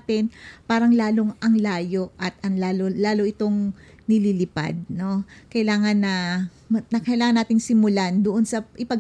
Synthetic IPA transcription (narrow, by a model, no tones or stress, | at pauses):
t̪ɪnpaːɾɐŋlaːlo̞ŋʔɐŋlaːjo̞ʔʔɐt̪ʔɐŋlaːlolaːlo̞ʔɪt̪o̞ŋ | nɪlilɪpa̰d̪̚no̞kɐɪlaːŋɐnːɐ | nɐkɐʔɪlaːŋɐnːaːt̪ɪŋsɪmʊland̪oʔonsɐʔɪpɐɡ